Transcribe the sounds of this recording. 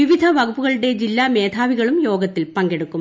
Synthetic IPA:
iʋid̪ʱɐʋɐɣupːuɣɐɭɨɽe̞d͡ʑilːaːme̞ːd̪ʰʱaːʋiɣɐɭumjo̞ːɡɐt̪ːilpɐŋɡeɽukːum

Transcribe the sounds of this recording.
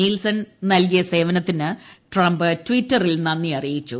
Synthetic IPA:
iːlsɐnnɐlk̬ijɐse̞ːʋɐnɐt̪ːinɨʈrɐmbɨtʋiːtːɐrilnɐnːiɐrijit͡ɕːu

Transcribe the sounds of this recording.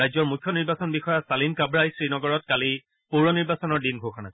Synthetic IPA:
ajzɔɹmukʰːjɔniɹbasɔnbixɔjasalinkabɹajsɹinɔɡɔɹɔtkali | puɹɔniɹbasɔnɔɹdinɡʱoxʰanas

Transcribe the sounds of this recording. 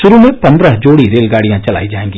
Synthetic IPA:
ʃʊɾumẽpə̃nd̪ɾəɦd͡ʒoːɽiɾeːlɡaːɽijãt͡ʃəla̰ːid͡ʒaːẽːŋɡiː

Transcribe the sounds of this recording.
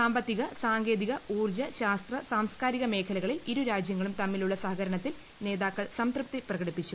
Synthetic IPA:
saːmbɐt̪ːiɣɐsaːŋɡe̞ːðiɣɐuːrd͡ʑɐɕaːst̪rɐsaːmskaːɾiɣɐme̞ːkʰɐlɐɣɐɭiliɾuɾaːd͡ʑjɐŋːɐɭumt̪ɐmːiluɭːɐsɐɦɐɣɐɾɐɳɐt̪ːil | ne̞ːðaːkːɐɭsɐmt̪rɨp̚t̪iprɐɣɐɽipːit͡ɕːu

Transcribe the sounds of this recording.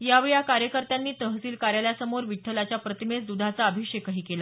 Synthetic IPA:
jaʋɭjakaɾjəkəɾt̪anːiːt̪əɦəsiːlkaɾjaljasəmoɾʋiʈʰːəlat͡ɕjapɾət̪imesd̪ud̪ʱat͡saəbʱikʂekəɦiːkela

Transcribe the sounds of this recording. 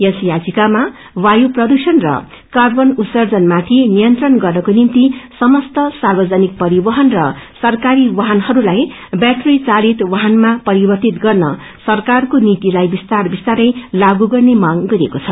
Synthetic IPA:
jʌsjad͡zikama | wajuprʌd̪usʌnrʌ̰ | karbʌnut̪sʌrd͡zʌnmat̪ʰinijʌnt̪rʌnɡʌrnʌkonint̪isʌmʌst̪ʌsarbʌd͡zanik̚pʌɾibʌɦʌnrʌsʌrkaɾiwʌɦanhʌɾulaj | baʈrit͡salit̪wʌɦanmapʌɾibʌrt̪it̪ɡʌrnʌ | sʌrkarkonit̪ilajbist̪arbist̪aɾʌjlaɡuɡʌrnemaŋɡʌɾiekot͡sʰʌ

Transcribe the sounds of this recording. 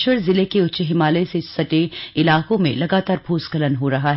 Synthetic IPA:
ʃwəɾzɪlekeʊt͡ʃɦɪmaːlesesɐʈeɪlaːkõmḛ̃lɐɡaːt̪aːɾbʱoːskələnɦoɾɐɦaɦ

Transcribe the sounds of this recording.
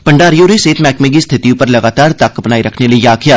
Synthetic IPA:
pɐɳɖaːɾijoːɾeseːt̪mɛːkmeːɡist̪ʰɪt̪ijõpɐɾlɐɡaːt̪aːɾt̪ɐkːbnaːiɾɐkʰneləeaːkʰjaː

